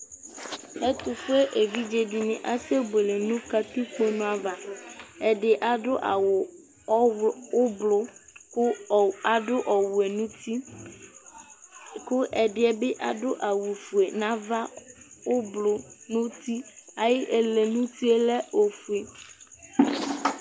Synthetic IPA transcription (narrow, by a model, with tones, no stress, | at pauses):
e˦t̪ʊ˨fʊ˦e˦ʔe˨vi˦d͡ʒe˨ɖi˨nĩ˨ʔa˦se˦ɡ͡be˨le˨nũ˦ka˦t̪i˦k͡pe˦nũ˦a˨va˨e˨ɖɪ˨ʔa˨ɖʊ˦ʔa˨wʊ˨˦ | ʊ˦blʊ˦ | a˨ɖʊ˦ʔɔ˨wu˨e˨nũ˦ti˦ | kʊ˦ʔɛ˨ɖɪ˦ɛ˦bɪ˦ʔa˨ɖʊ˦ʔa˨wu˨fu˨e˨nã˦va˦o˦blʊ˨nũ˦t̪i˦a˨je˦ʔe˨le˨nũ˦t̪i˦e˦le˦o˨fu˨e˨